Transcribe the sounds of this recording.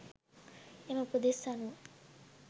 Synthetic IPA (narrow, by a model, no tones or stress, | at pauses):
eməpud̪esanuʋ